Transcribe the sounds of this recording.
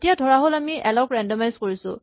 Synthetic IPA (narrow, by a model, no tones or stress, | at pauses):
tijadʱɔɹaɦolamiʔɛlɔkɹɛndɔmajzkoɹisʊ̰̃